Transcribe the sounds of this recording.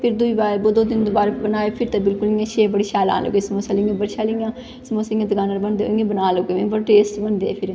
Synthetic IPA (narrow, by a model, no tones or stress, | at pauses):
pʰɪɾd̪uiːbaːɾboːd̪oːd̪ɪnd̪oːbaːɾbənaːeːpʰɪɾt̪aːbɪlkʊlːãːʃeːbəɽiːʃaːlã̰ːnlo̰ːɡeːsəmoːsaːlɪãːbəɽʃaːliãː | smoːsãːd̪əɡaːnəɾbənd̪eːoɪẽːbənaːloɡeːʋẽːbəɾʈeːsʈbənd̪eːpʰɪɾ